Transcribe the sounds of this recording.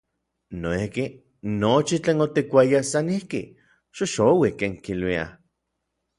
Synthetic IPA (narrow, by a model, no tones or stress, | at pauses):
noihki | not͡ʃit͡ɬeːnot̪ikʷajasanihki | ʃoʃowikeːŋkilwia̰